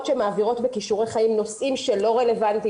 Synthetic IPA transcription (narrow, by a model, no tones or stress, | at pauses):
tʃemaːviʁo̞tbekiʃuʁeχajimno̞sʔimʃe̞lo̞ʁele̞vant̪i